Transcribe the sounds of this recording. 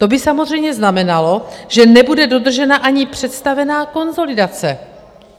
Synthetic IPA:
t̪o̞bɪsamozr̝ɛjmɲɛznamɛnalo̞ʒ̥ɛnɛbudɛdo̞d̪r̩ʒɛnaʔaɲɪpr̝̥ɛt̪st̪avɛnaːko̞nzo̞lɪdat͡sɛ

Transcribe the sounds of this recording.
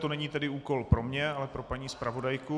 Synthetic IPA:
t̪onɛɲiːt̪ɛdɪuːko̞lpɾo̞mɲɛalɛpɾo̞paɲiːspɾavo̞dajku

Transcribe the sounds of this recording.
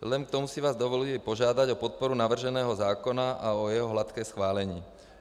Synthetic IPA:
lɛnk̚t̪ɔmusiʋaːzd̪ɔʋɔlɛpɔʒɪad̪aɟɔpɔt̪̚pɔɾunaʋr̩ʒɛnɛːɦɔzaːkɔnaʔaɔjɛɦɔɦlat̪kɛːsxʋaːlɛɲḭː

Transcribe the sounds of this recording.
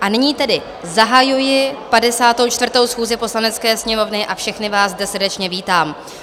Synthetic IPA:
ʔanɪɲiːt̪ɛdɪ | zaɦajujɪpadɛsaːt̪o̞wt͡ʃt̪vrt̪o̞wsxuːzɪpo̞slanɛt͡skɛːsɲɛmo̞vnɪʔafʃɛxnɪvaːzzdɛsrdɛt͡ʃɲɛviːt̪aːm

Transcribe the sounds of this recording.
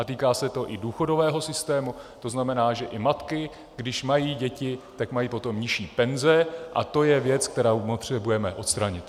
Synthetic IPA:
ʔat̪iːkaːsɛt̪o̞ʔɪduːxo̞do̞vɛːɦo̞sɪst̪ɛːmut̪o̞znamɛnaːʒɛʔɪmat̪kɪ | ɡdɪʃmajiːɟɛcɪt̪akmajiːpo̞t̪o̞mɲɪʃiːpɛnzɛʔa̰t̪o̞jɛvjɛt͡sk̚t̪ɛɾaːmot̪r̝̥ɛbujɛmɛʔo̞t̪st̪ɾaɲɪt̪

